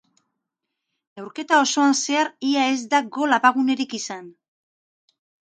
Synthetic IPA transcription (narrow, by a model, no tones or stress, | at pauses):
ewɾke̞t̪ao̞so̞anse̞aɾiae̞zd̪aɡo̞lapaɣune̞ɾikisan